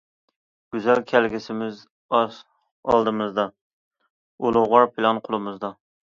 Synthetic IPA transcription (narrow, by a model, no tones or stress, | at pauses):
ɡ̥ʲyzælkʲʰælɡʲɪsɪmɪz | ɑ̰lˠd̪ɨmɨzd̪ɑ | olˠʊʁɑɾpʰɪlˠɑnqʰʊlˠɨmɨzd̪ɑ